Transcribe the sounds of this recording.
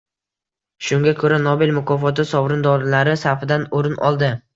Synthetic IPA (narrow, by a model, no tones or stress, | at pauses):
ʃʊŋɡʲakʰɵɾanɒbɪlmʊkʰɒfɒt̪ɪsɒbɾɪnd̪ɒɾlaɾɪsaɾfɪd̪anoɾɪnʔɒ̰lˠd̪ɪ